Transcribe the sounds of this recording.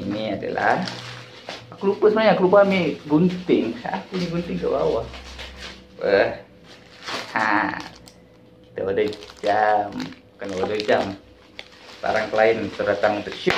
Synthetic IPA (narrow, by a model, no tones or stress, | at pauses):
iniada̰la̰h | akulupəsəbənaɲakulubamiɡunt̪ɪŋsa̰ʔakuniɡunt̪ɪŋkəba̰wah | wəh | ha | it̪əodəhd͡ʒam | kanaodəhd͡ʒam | ba̰ɾaŋkəlaɪnt̪ərdat̪aŋt̪əʃ